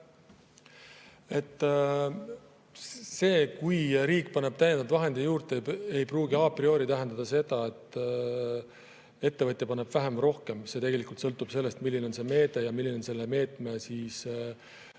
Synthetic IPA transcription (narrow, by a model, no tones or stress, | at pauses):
e̞t̪ː | se̞ːkujɾiːkˑːpɑneb̥̚t̪æjend̪ɑd̪vɑɦe̞nd̪̥ijuːɾt̪ee̞jpruːɡiɑprio̞ːɾit̪æɦend̪ɑd̪ɑse̞d̪̥ɑe̞t̪ːˑ | e̞t̪ːe̞vɤt̪ʲːˑjepɑneb̥væɦemro̞hke̞mse̞t̪e̞ɡe̞likˑult̪sɤ̞lt̪ːˑub̥se̞lːe̞st̪milːino̞nse̞me̞ːd̪̥e̞jɑmilːineo̞nse̞lːeme̞ːt̪ˑmesiːs